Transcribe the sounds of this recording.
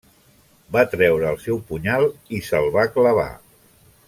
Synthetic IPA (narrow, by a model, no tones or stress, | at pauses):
bat̪ɾɛwɾəːlˠsɛwpuɲalˠisəlˠβakləβ̞a̰